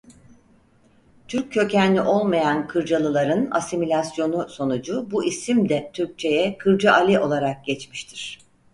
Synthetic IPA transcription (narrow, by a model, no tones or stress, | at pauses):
t̪ʰyɾcʰːø̞cænlːʲiʔo̞lˠmajankʰɯɾd͡ʒalˠɯlˠaɾɯna̰similʲasjo̞nuso̞nud͡ʒubuʔisimd̪ɛt̪ʰyɾc̚t͡ʃʰe̞jɛkʰɯɾd͡ʒaʔalʲiʔo̞lˠaɾak̚ɟɛt͡ʃmiʃt̪ʰiɾ̥